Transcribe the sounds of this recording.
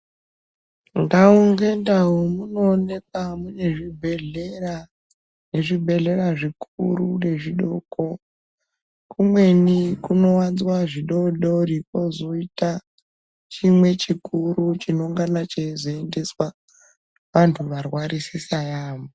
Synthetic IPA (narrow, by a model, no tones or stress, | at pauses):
ŋɡauŋɡe̞ndaɦomuno̞ːne̞k̚amune̞ʐibʱeɮera | ne̞ʐibʱe̞ɮe̞raʐikurune̞ʐiɗoko̞ | kumwe̞nikuno̞wanzwaʐiɗoɗo̞ripo̞zo̞ita | t͡ʃimwe̞t͡ʃikurut͡ʃinouŋɡanat͡ʃezoe̞nde̞swa | ʋantʰuʋarwaɾisisajaːmo